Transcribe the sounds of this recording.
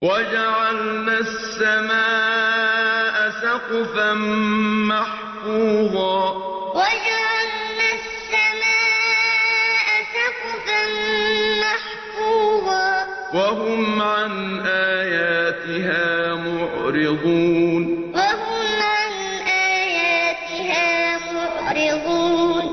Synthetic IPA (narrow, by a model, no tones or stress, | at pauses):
wʔad͡ʒaʕalnasːamaːʔʔʔasaqfanmaħ | fuːðˤɑː | wad͡ʒaʕalnassːamaːʔʔasaqfanmaħ | fuːd̪ˤɑː | waɦʊmʕanʔaːjaːt̪ɪɦaːmʊʕɾɪd̪ˤuːnwaɦʊmʕan | ʔaːjaːt̪ɪɦaːmʊʕɾɪd̪ˤuːn